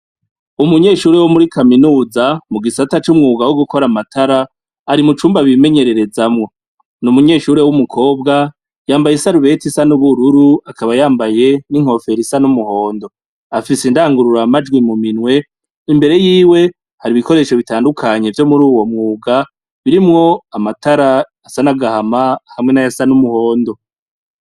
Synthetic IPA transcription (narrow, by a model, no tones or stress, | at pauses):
umuɲe̞ːʃuːɾewomuɾikʰaminuːzamuɡisatat͡ʃumŋuːɡawoɡuko̞ɾamatʰaɾa | aɾimut͡ʃuːmbaβime̞ɲe̞ɾeɾe̞zamŋo̞ | numuɲe̞ːʃuːɾewumukʰo̞ːbɡa | jaːmbajesaɾuβe̞tisanuβuɾuɾuakʰaβajaːmbaje̞niŋ̥ho̞fe̞ɾisanumuho̞ːndo̞ | afisindaːŋɡuɾuɾamad͡ʒɡwimuminwe̞ | imbe̞ɾe̞jiːwe̞ | haɾiβikʰo̞ɾe̞ːʃo̞βitaːndukʰaɲe̞vjo̞muɾuːwo̞mŋuːɡa | βiɾimŋo̞amataɾaː | sanaɡahamahamŋe̞najasanumuho̞ːndo̞